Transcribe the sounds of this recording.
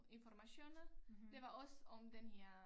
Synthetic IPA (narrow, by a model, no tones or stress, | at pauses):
infɔrmaɕonɐd̥eʋaɔsɔmd̥̪enheɐ